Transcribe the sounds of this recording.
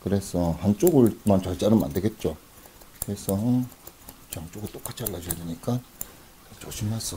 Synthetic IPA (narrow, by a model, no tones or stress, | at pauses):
kɯɾe̞sʰʌhant͡ɕ͈oɡɯɭmant͡ɕaɭt͡ɕ͈anɯnma̰ndɯɭɡe̞t̚t͡ɕ͈o | kɯɾe̞sʰʌ | t͡ɕaŋt͡ɕ͈oɡɯɭt͈ok͈at͡ɕʰiaɭːad͡ʑʌjadeɲik͈a | t͡ɕoɕʰimːas͈ʰʌ